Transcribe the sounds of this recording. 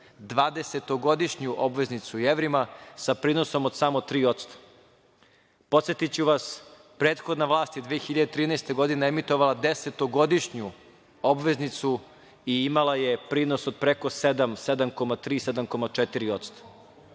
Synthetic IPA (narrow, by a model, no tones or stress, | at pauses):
d̪ʋaːd̪e̞se̞t̪o̞ɡo̞d̪iʃɲuʔobʋe̞znit̪sujeʋɾimasapɾiːno̞so̞mod̪samot̪ɾiːo̞t̪st̪ḁ | po̞t̪sjet̪it͡ɕuʋas | pɾe̞ːt̪xod̪naʋlˠaːst̪jed̪ʋeːxiʎad̪et̪ɾiːnɛest̪e̞ɡo̞d̪ineemit̪o̞ʋalˠad̪eset̪o̞ɡo̞d̪iʃɲu | o̞bʋe̞znit̪su | iimalˠaje̞pɾiːno̞sod̪̚pɾeko̞sed̪amsed̪amko̞mat̪ɾiːsed̪amko̞mat͡ʂet̪iɾio̞t̪st̪ʰḁ